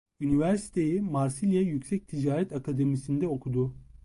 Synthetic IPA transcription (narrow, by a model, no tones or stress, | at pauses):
ynivæɾsi̥t̪ʰe̞jimaɾsilʲjajycsɛc̚t̪ʰid͡ʒaːɾɛt̪akʰad̪emisind̪ɛo̞kʰud̪ʊ